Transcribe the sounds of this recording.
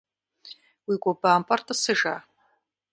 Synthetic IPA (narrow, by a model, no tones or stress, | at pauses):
wikʷʼɔbaːmpʼartʰʼasɨʒa